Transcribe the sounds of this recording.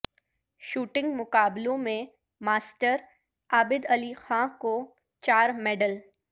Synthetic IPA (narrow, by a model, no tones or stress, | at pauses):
ʃuːʈɪ̃ŋɡmʊkaːblõmẽ | maːsʈəɾ | aːbɪd̪ɐlixãːko | t͡ʃaːɾmɛːɖəl